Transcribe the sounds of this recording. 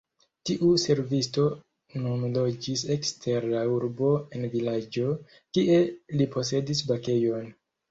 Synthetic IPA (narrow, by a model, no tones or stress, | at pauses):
tiʔuse̞ɾvisto̞ | nomlo̞d͡ʒise̞kstʰe̞ɾlauɾbo̞envilad͡ʒo̞ | kiʔe̞lipo̞se̞disbake̞jo̞n